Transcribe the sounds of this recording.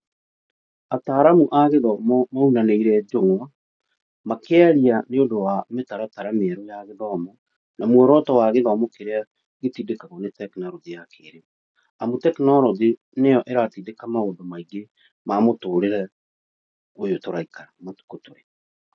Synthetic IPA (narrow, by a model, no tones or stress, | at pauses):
ataːɾamuʔaɣeðɔmɔmaunaneiɾɛd͡ʒoŋwa | makɛaɾianeondowametaɾataɾameɛɾɔjaɣeðɔːmɔ | namwɛɾɔtɔwaɣeðɔːmɔkeɾea | ɣetiːdekaɣɔnetɛknɔɾɔðejakʰeːɾe | amutɛknɔɾɔðe | nejɔʔɛɾatiːdekamaodomaiɡe | mamotoːɾeɾɛ | ojotoɾaikaɾamatu̥kotoɾɛ